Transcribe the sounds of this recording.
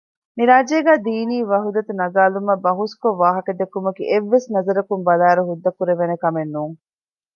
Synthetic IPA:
miɾaːd͡ʒeːɡæːd̪iːniːʋɐɦud̪ɐt̪unɐɡaːlumɐbɐɦuskoʋːaːɦɐkɐd̪ːekːumɐkiʔeʋːesnɐzɐɾɐkumbɐlæːɾuɦud̪ːɐkuɾeʋenekɐmenːuːŋ

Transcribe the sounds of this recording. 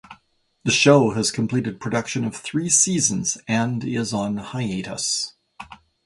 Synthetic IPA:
ðɨʃoʊɨz̥kʰm̩pʰl̥iɾɨd̚pʰɹ̥ɨdʌkʃɨ̃nʌv̥θɹisizɨ̃nz̥ɨ̃ndɪzn̩haɪeɪɾə̰s

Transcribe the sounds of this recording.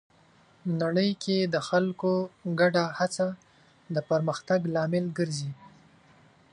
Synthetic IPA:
naɽəjkʰed̪əxalkoɡaɖahat͡sa | d̪əpəɾməxt̪aɡlɑmɪlɡəɾzi

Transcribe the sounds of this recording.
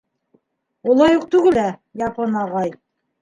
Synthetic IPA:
ulˠɑjuq̚t̪ʉɡɘlæjɑpɤnɑʁɑj

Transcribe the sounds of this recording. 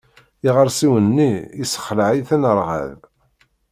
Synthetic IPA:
iʁəɾˤsiwənːiːsə̥χləʕiθænəɾˤʁə̰ð

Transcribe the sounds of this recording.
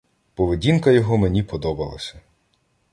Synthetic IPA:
pɔʋedʲinkɐjɔɦɔmenʲipɔd̪ɔbɐlˠɐ̰sʲɐ

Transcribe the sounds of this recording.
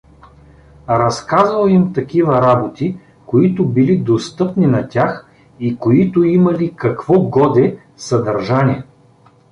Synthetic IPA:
ɾɐskazɐlˠimt̪ɐkivɐɾabot̪i | koit̪ʊbilid̪ost̪ɤpnʲinɐt̪ʲax | ikoit̪ʊimɐlikɐkv̥ɔɡɔd̪ɛ | sɐd̪ɐɾʒanʲiɛ

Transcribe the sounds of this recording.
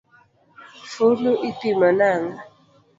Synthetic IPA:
fonuʔipimənaŋ

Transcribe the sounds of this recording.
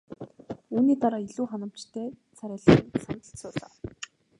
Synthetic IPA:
uːniːt̪aɾaːiɮuːχanə̆m̥t͡ɕt̪ʰeː | t͡sʰaɾʲaːɮχ̆nsant̪ə̆ɬsʊːɮa̰ː

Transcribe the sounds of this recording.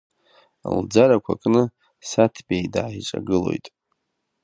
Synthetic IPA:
a̰ld͡zaɾakʷʰa̰kʼnɨ | satʰbʲʼejdaːʈ͡ʂʼaɡɨlo̞̰jtʼ

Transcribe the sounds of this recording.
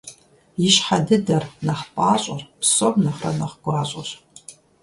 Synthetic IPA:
iʃħadɨdɐrnaħpʼaːɕʷʼarpʰsobnaχra̰naχɡ̥ʷaɕʷʼaʃ

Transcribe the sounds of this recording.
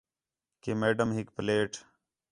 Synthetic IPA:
kemeːɖəmɦikpleːʈ

